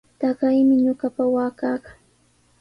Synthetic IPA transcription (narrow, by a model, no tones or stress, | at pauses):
t̪ɑɢajmɪɲoɢapawaːkaːkaŋ